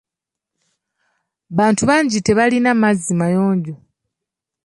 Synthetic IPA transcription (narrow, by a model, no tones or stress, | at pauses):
βaːntuβaːɲɟite̞βalinamazimajoːɲɟo